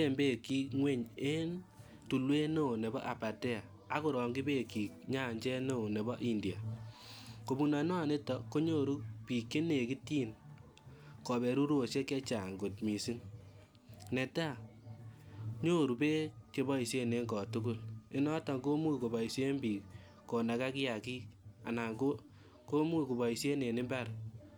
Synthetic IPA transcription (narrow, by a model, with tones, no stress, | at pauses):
e˦˨mbe˦˨ki˦kŋwe˦ɲe˦n | tu˨lwe˦no˦˨ne˨bɔ̰˦ʔa˨pa˨tɛ˦a˨ | a˦ku˦ɾɔ˨ŋɡɪ˦be˦ki˨k̚ɲa˦˨ɲd͡ʒɛ˦no˦˨ne˨bɔ˦ʔi˦ndi˨a˨ | ko˨bu˨na˨nɔ˦a˨ne˦tɔ˨ko˦ɲo˦ɾu˦pi˨ke˦ne˨ki˦tiː˦n | kɔ˨bɛ˨ɾu˦ɾu˦o˨sje˦kɛ˦t͡ʃa˨ŋɡo˨t̚mi˨si˦n | nɛ˨ta˦˨ | ɲo˦ɾu˨pe˦t͡ʃe˨bɔ˦i˨sje˦ne˨˦ŋɡɔ˨tʊ˦kʊ˦lɪ˦nɔ˦tɔ˨ŋɡo˦mu˦ko˨bɔ˨i˨se˦mbi˨ | ko˨na˨ka˦kɪ˦ja˨ki˦a˨na˨ŋɡo˦ | ko˦mu˦ku˨bɔ˨i˨se˦ne˨nɪ˦mba˦ɾ